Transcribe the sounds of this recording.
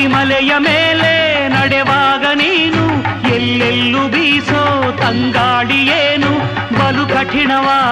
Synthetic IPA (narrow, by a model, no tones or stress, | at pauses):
imɐlɛjɐmeːlenɐɽɛʋaːɡɐniːnuelːelːubiːsoːt̪ɐŋɡaːɽijeːnu | bɐlukɐʈʰiɳɐʋaː